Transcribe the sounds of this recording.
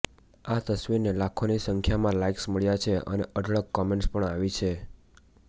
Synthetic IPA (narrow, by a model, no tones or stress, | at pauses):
at̪əsʋiɾnelakʰonisəŋkʰjamãlaiksməɭjat͡ʃʰeə̰neʔəɖɭəɡkɔmẽɳʈspəɳaʋit͡ʃʰe